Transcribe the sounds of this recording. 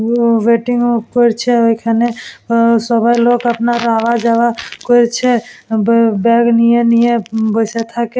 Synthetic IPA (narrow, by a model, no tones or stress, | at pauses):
ʋeːʈɪŋɡkoɾt͡ʃʰeokʰane | sɔbʱajlokəpnaɾaːʋad͡ʒaʋakoɾt͡ʃʰebbɛːɡnijenijebəset̪ʰake